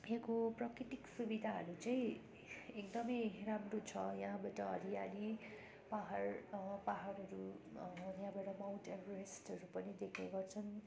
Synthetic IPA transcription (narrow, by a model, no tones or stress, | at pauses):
jãkoprʌkɾiʈiksubid̪ʱaɦʌɾut͡saĩ | ekd̪ʌmʌjramrot͡sʰʌjaɦãbaʈʌʌɾiali | paɦarpaɦʌɾʌɾu | jaɦbaʈʌmawʈabʱresʈʌɾupʌnid̪ekʰneɡʌrt͡sʰʌn